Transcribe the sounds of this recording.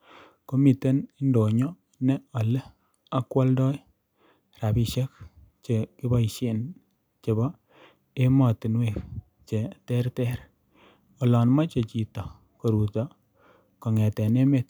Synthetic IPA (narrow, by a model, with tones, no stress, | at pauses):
ko˦mi˨te˦ni˦ndo˨ɲɔ˦ | nɛ˦ɔ˨le˦ | a˦kwɔ˦ldɔ˦j | ra˨bi˨ʃe˦k̚ | t͡ʃe˨ki˦ba˦i˨ʃe˦˨n | t͡ʃe˨bɔ˦ | e˦mɔ˨tɪ˨nwe˦˨k | t͡ʃe˨tɛ˦ɾtɛ˦ɾ | ɔ˨lɔ˨nma˦t͡ʃe˨t͡ʃi˨tɔ˨ | ko˨ɾu˨tɔ˨ | ko˨ŋɛ˨tɛ˨ne˦me˨t̚